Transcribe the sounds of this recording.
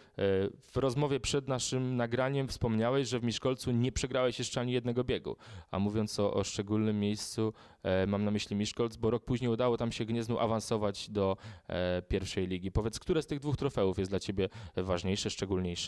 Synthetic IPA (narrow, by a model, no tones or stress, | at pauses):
v̥ɾɔzmɔvʲjɛpʂɛd̪naʂɘmnaɡɾaɲɛmfspɔmɲawɛɕʐɛvmʲiʂkɔlt̪suɲɛpʂɛɡɾawɛɕjɛʂt͡ʂɛaɲijɛd̪nɛɡɔbʲjeɡṵa̰muvʲjɔnsɔʔɔ̰ʂt͡ʂɛɡulnɘmːjejst̪su | mamnamɘɕlʲimʲiʂkɔlt̪zbɔɾɔk̚puʑɲejud̪awɔt̪amɕɛɡɲɛznuʔavãnsɔvad͡ʑd̪ɔ | pʲjɛɾfʂɛjlʲiɡʲipɔvʲjɛt̪skt̪uɾɛst̪ɘɣd̪vuxt̪ɾɔfɛwufjɛsd̪lat͡ɕebʲjɛvaʐɲejʂɛʂt͡ʂɛɡulɲejʂɛ̥